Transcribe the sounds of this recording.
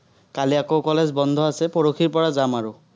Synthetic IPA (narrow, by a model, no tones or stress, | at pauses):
kaliakowkɔlɛzbɔnd̪ʱɔasɛpɔɹokʰiɹpɔɹazamaɹʊ